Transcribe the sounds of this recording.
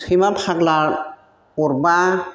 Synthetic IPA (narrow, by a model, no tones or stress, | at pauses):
imapʰaklaɹ | ɔɹba